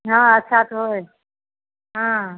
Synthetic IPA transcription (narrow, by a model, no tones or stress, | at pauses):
ɦãːətːʃʰat̪oɦoe | ɦãː